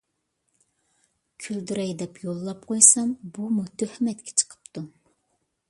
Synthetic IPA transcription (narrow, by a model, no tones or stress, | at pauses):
kʲʰyld̪yɾɛjd̪ɛpjolˠːɑp̚qʰojsɑmbumut̪ʰøhɪmɛt̪kʲʰɛ̥t͡ʃʰə̥qʰə̥pt̪ʰu